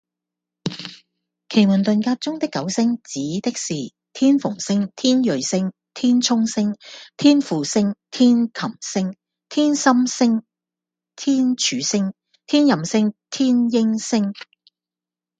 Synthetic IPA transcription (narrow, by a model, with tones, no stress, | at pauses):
kʰe˨˩jmu˨˩nt̪ɵ˨nkaː˧t̚t͡sʊ˥ŋt̪ɪ˥kːɐ˨˥wsɪ˥ŋt͡siː˨˥t̪ɪ˥k̚siː˨ | t̪ʰiː˥nfʊ˨˩ŋsɪ˥ŋt̪ʰiː˥njɵ˨ɥsɪ˥ŋ | t̪ʰiː˥nt͡ʃʰʊ˥ŋsɪ˥ŋt̪ʰiː˥nfuː˨sɪ˥ŋt̪ʰiː˥nkʰɐ˨˩msɪ˥ŋ | t̪ʰiː˥nsɐ˥msɪ˥ŋ | t̪ʰiː˥nt͡ʃʰyː˨sɪ˥ŋ | t̪ʰiː˥njɐ˨msɪ˥ŋt̪ʰiː˥njɪ˥ŋsɪ˥ŋ